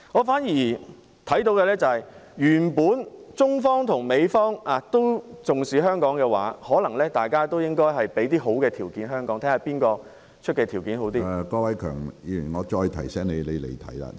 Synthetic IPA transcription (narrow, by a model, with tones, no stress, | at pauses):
ŋɔː˨˧faː˨˥njiː˨˩ | t̪ʰɐ˨˥jt̪̬o˧˥wkɛː˧lɛː˥t͡sɐ˨˧hɐ˨jjyː˨˩npuː˨˥nt͡sʊ˥ŋfɔː˥ŋt̪ʰʊ˨˩ŋme˨˧jfɔː˥ŋaː˨˧t̪o˥wt͡sʊ˨ŋsiː˨ɦœː˥ŋkɔː˨˥ŋkɛː˧wa̰ː˨˥hɔː˨˥lɐ˨˩ŋlɛː˥t̪aː˨jkaː˥t̪o˥wjɪ˥ŋkɔː˥jɦɐ˨jpe˨˥jt̪iː˥ɦo˨˥wkɛː˧t̪ʰiː˨˩wkiː˨˥nɦœː˥ŋkɔː˨˥ŋt̪ʰɛː˥ŋaː˨˧piː˥nkɔː˧ | t͡ʃʰt̚kɛː˧t̪ʰiː˨˩wkiː˨˥nɦo˨˥wt̪̬iː˥˧kɔː˧˥wɐ˨˦jkʰœ̰ː˨˩ŋjiː˨˩i˨˩ŋɔː˨˧t͡ʃɔː˧jt̪ʰɐ˨˩jsɛː˥ŋne˨˧jle˨˧jlḛ˨˩jt̪ʰɐ̰˨˥jla̰ː˧